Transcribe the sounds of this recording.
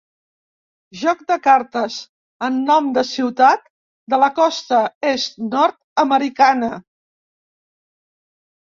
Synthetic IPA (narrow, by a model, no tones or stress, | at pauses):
ʒɔk̚d̪əkaɾt̪əz | ənːɔmd̪əsiwt̪at̪ | d̪ələkɔst̪əest̪nɔɾt̪̚əməɾikanə